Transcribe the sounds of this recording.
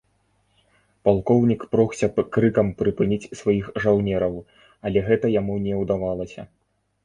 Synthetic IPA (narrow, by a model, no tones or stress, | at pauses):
palˠkɔwnʲikpɾɔxsʲɐpkɾɨkɐmpɾɨpɨnʲit͡sʲsvajixʐawnʲɛɾɐw | ɐlʲɛɣɛt̪ɐjamunʲɛwd̪avalˠɐsʲɐ̰